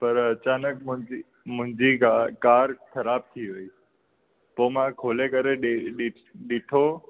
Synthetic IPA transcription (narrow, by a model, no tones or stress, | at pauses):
pəɾət͡ɕaːnəkmʊ̃i | mʊ̃ɦɪ̃ɲd͡ʑiakaːɾkʰəɾaːb̚t̪ʰiɦoːiː | poːmãkʰoːlekəɾeɗeɗɪ | ɗɪʈʰo